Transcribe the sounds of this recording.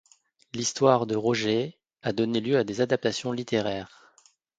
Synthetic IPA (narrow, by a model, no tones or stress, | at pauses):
list̪waʁd̪əʁɔʒe | ad̪ɔneljøad̪ezad̪ap̚t̪asjɔ̃lit̪eʁɛːʁ